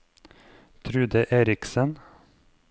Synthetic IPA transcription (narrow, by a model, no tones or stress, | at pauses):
t̪ʰɾʉd̪əʔeːɾɪksən